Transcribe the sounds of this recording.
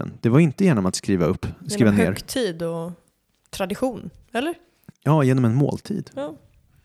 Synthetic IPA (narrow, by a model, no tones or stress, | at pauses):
ə̰nd̪̥ɛvaɾɪnt̪əjæːɳɔmat̪skɾiːvaɵpːskːiːvan̰ːɾt̪ʰiːd̪ɔ | t̪ʰɾad̪ɪɧuːn | ɛlːəɾ | jɑːjeːnɔmɛnmo̰ːlt̪ʰḭːd̪